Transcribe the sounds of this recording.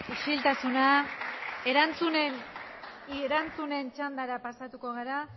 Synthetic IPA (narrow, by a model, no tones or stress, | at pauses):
uʃilt̪asuna | e̞ɾant͡sunen | ɾant͡sune̞nt͡ʃand̪aɾapasat̪uko̞ɣaɾa